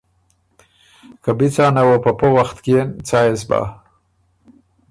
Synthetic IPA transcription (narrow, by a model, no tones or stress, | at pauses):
kabit͡sɑːnawopəpəwaxt̪keent͡sɑːjesba̰